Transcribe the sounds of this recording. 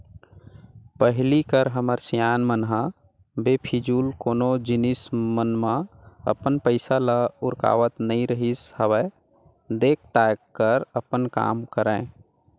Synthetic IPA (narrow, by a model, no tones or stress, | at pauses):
pəɦlikəɾɦəməɾsijaːnmənɦã | bepʰid͡ʒuːlkoːnod͡ʒɪnismənmã | ə̰pənpəɪsalaʊɾka̰ːʋət̪nəĩɾəɦishəwɛ | d̪eːk̚ʰt̪akːəɾəpənka̰ːmkəɾɛ̃